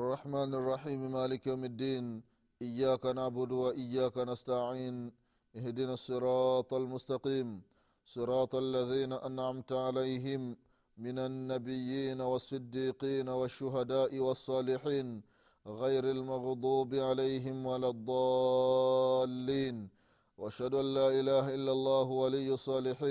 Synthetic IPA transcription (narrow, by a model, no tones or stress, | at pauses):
ʔɑrˤːɑħmaːnɑrˤːɑħiːmɪmaːlɪkjawmad̪ːiːn | ʔɪjːaːkanaʕbʊd̪waʔɪjːaːkanast̪aʕiːn | ʔɪhd̪ɪnasˤːɨɾɑːt̪ˤalmʊst̪ɑqiːm | sˤɨɾɑːt̪ˤʔalːaðiːnaʔanʕamt̪ʕalajɦɪmː | ɪnanːabɪjːiːnawɑsˤːɨd̪ːiːqiːnawaʃːʊɦad̪aːʔɪwɑsˤːɑːlɪħiːn | ɣajɾalmɑɣd̪ˤuːbɪʕalajɦɪmwalad̪ˤːɑː | lːiːn | waʔaʃhad̪ʊʔanːaːʔɪlaːɦaʔɪlːalˤːɑːɦwalɪjːɑsˤːɑːlɪħiːn